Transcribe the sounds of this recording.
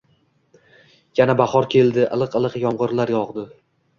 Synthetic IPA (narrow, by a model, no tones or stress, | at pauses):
janabaχɒɾkʲʰe̞ld̪ɪʔa̰lˠɨqɨlˠɨqjɒmʁɨɾlaɾjɒʁd̪ɪ